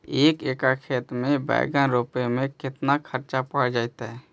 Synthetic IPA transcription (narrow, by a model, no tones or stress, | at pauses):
eːkeːkakʰeːt̪mẽbɛ̰ɪɡanɾoːpemẽkɪt̪nakʰəɾt͡ʃapaɽd͡ʒaːɪt̪ɦɛ